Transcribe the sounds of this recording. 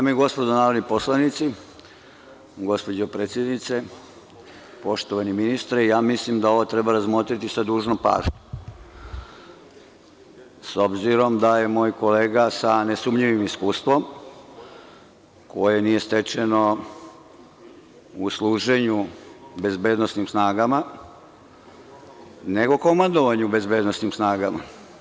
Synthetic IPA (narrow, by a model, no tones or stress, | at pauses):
d̪amjeɡo̞spod̪onaːɾod̪nipo̞slˠanit̪si | ɡo̞spo̞d͡ʑopɾeːt̪sʲjed̪nit̪se | po̞ʃt̪oʋaniminist̪ɾeijaːmislimd̪ao̞ʋot̪ɾebaɾazmo̞t̪ɾit̪isad̪uːʒnopa̰ːʒɲu | so̞bziɾo̞md̪aje̞mo̞ːjko̞leːɡasanesumʎiʋimiskuːst̪ʋo̞m | ko̞jenije̞st̪e̞t͡ʃeno̞ | uslˠuːʒe̞ɲube̞zbeːd̪nosnimsnaːɡama | ne̞ɡoko̞mand̪o̞ʋaɲube̞zbe̞ːd̪nosnimsnaːɡama̰